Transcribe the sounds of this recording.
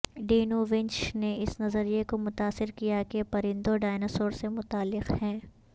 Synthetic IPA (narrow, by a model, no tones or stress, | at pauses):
ɖeːnuʋɪ̃ɲt͡ʃneɪsnɐzəɾijekomʊt̪aːsɪɾkijakepɐɾɪ̃nd̪oɖaːɪnɐsoːɾsemʊt̪aːlːɪqhɛ̃ː